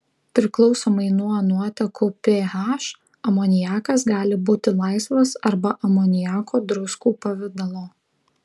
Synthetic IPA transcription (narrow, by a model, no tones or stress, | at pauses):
pʲɾʲɪklˠɒʊsoːmɐɪnuɔnuɔt̪ʲɛkʊpʲeɦɑʃ | ɐmoːnʲɪjæːkɐsɡɑːlʲɪbuːt̪ʲɪlˠɑɪsʋɐsɐɾbɐʔɐmoːnʲɪjæːkoːd̪ɾʊskuːpɐʋʲɪd̪ɐlˠoː